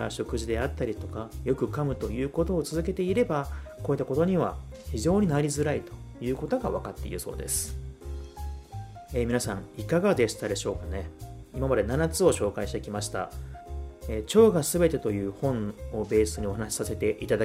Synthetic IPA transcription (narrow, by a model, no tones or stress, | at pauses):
a̰ɕo̞kɯ̟ʑid̪e̞at̪ːaɾʲit̪o̞kajo̞kɯ̟kamɯ̟t̪o̞jɯ̟ːko̞t̪o̞ːt͡sɨzɨke̞t̪e̞iɾe̞bakoːit̪ːakot̪o̞ɲ̟iβ̞a̰çiʑo̞ːɲ̟inaɾʲizɨɾait̪o̞̥jɯ̟ːko̞t̪o̞ɡaβ̞akat̪ːe̞ḭɾɯ̟so̞̰ːd̪e̞sɨ̥ | eːmʲinasã̰ŋikaɡad̪e̞ɕi̥t̪ad̪e̞ɕo̞ːkane̞imamad̪e̞nanat͡sɨo̞ɕo̞ːkaiɕt̪ekʲimaɕi̥t̪a̰ | eːt͡ɕo̞ːɡasɨbe̞t̪e̞t̪o̞jɯ̟ːhõ̞o̞be̞ːsɨɲ̟io̞hanaɕi̥sase̞t̪e̞ʔit̪ad̪a